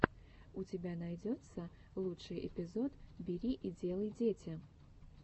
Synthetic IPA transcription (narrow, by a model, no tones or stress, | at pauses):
ʊt͡sʲɪbʲanajdʲot̪sə | lˠutt͡ʂʂɨjʔɪ̰pʲɪzot̪bʲɪɾʲiʔid͡zʲelˠəjdʲetʲɪ